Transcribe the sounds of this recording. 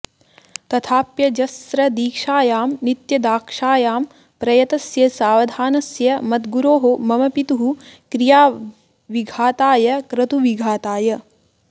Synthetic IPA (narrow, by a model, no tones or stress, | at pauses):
t̪ɐt̪ʰaːpjɐd͡ʒɐsɾɐd̪iːkʂaːjaːmnit̪jɐd̪aːkʂaːjaːm | pɾɐjɐt̪ɐsjɐsaːʋɐd̪ʱaːnɐsjɐmɐt̪ɡuɾoːɦomɐmɐpit̪uɦukɾijaː | ʋiɡʱaːt̪aːjɐkɾɐt̪uʋiɡʱaːt̪aːjɐ